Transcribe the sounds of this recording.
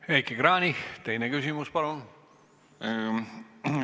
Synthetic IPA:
ejkːikɾɑːnʲiht̪ejnekysimuspɑɾon

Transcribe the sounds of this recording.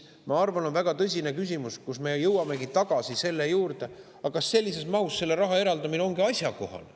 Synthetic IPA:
mɑɑrvɑno̞nvæɡ̥ɑt̪ɤ̞s̬ʲine̞kys̬ʲimuskusme̞jɤwɑme̞ɡit̪ɑɡ̥ɑsise̞lːe̞juːrt̪e̞ | ɑkɑsːe̞lʲːise̞smɑwsːe̞lːe̞ɾɑɦɑe̞ɾɑld̪ɑmineo̞ŋɡ̥iɑsʲjɑko̞̰hɑ̰l

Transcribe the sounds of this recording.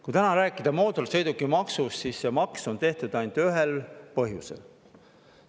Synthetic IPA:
kujt̪ænɑɾæːkːˑid̪̥ɑmo̞ːd̪ulsɤjd̪ukːˑimɑksussissemɑkso̞nt̪e̞ht̪ud̪̥ɑjnd̪ˑyɦelpɤɦjusḛl

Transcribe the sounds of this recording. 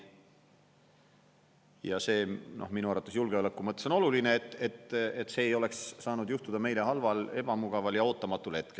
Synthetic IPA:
jɑse̞ːnʔo̞̰hminuɑɾɑt̪ːˑusjulɡ̥eolekːˑumɤt̪ːˑeso̞no̞lulineːt̪ːˑet̪ːet̪ːse̞ːjo̞le̞ksːɑːnud̪̥juht̪ud̪ɑme̞jle̞ɦɑlvɑle̞b̥ɑmuɡ̥ɑvɑljɑo̞ːt̪ːˑɑmɑt̪ːˑulhe̞t̪̚kel

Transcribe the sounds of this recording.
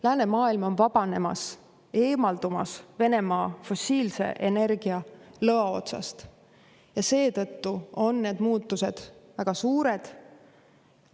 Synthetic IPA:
læːne̞mɑːilmo̞nvɑb̥ɑne̞mɑ̰s | e̞ːmɑld̪̥umɑ̰sve̞ne̞mɑːfo̞siːlse̞̰ʔene̞rɡ̥iɑlɤɑo̞̰t̪sɑ̰st̪ | jɑse̞ːt̪ɤ̞t̪ːuo̞nːeːd̪̥muːt̪ːuse̞d̪̥væɡ̥ɑsuːɾe̞d̪̥

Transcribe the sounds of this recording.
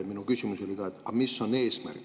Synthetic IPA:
minukysʲimuso̞likɑet̪ːɑ̰misːo̞ne̞ːsmæ̰rk

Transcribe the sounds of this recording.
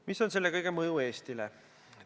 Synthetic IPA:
miso̞nse̞lːekɤjɡ̥emɤjue̞ːst̪ile

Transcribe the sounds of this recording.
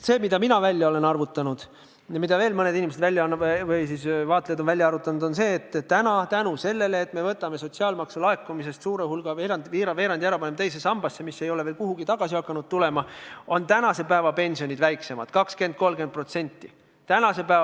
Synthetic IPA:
se̞ːmid̪̥ɑminɑvælʲjɑo̞le̞nɑrvut̪ːˑɑnud̪̥ | mid̪ɑve̞ːlmɤned̪inʲimesed̪vælʲːjɑɑnːvɤjsiːsvɑːt̪lejd̪o̞nvælʲjɑɑɾvut̪ːˑɑnud̪̥o̞nse̞ːt̪ːt̪ːænɑt̪ænuse̞lːe̞leːt̪ːˑme̞vɤt̪ːˑɑme̞so̞tʲsiɑːlmɑksulɑekːˑumise̞st̪suːɾehulɡ̥ɑveɾɑnd̪viːɾɑve̞ːɾɑnd̪jæɾɑpɑnemt̪e̞jsesɑmb̥ɑsːemisːe̞jo̞lee̞ːlkuɦuɡ̥it̪ɑɡ̥ɑsiɑkːɑnud̪̚t̪ule̞mɑo̞nt̪ænɑse̞pæevɑpe̞nʲsio̞nʲid̪væjkse̞mɑd̪̥kɑkske̞nd̪̚ko̞lɡe̞n̚pro̞t̪se̞nʲt̪ːˑi | t̪ænɑse̞pæː

